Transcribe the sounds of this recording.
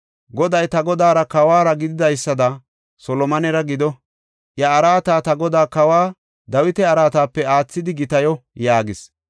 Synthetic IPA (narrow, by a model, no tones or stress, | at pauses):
ɡɔd̪ɐjt̪ɐɡɔd̪aːɾɐkɐwaːɾɐɡɪd̪ɪd̪ɐjsːɐd̪ɐ | sɔlɔmɐnɛɾɐɡɪd̪ɔ | ʔjɐːɾaːt̪aːt̪ɐɡɔd̪aːkɐwaː | d̪ɐwɪt̪ɛɐɾaːt̪aːpːɛaːt͡sːɪd̪ɪɡɪt̪ɐjɔjaːɡɪs